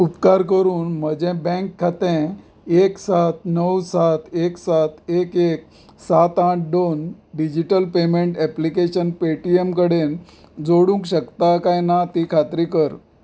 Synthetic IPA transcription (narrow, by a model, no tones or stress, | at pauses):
upkaɾkəɾuːnm̤əd͡ʑɛ̃bɛ̃ŋkʰːat̪ɛ̃ | eksat̪nəwsat̪ʰeksat̪ekek̚ | sat̪ãʈ̚ʰd̪onɖid͡ʑiʈəlpemeɳʈɛplikeɕənpeʈiemkəɽen | d͡zoɽũŋkɕəkt̪akajnat̪iːkʰat̪ɾikəɾ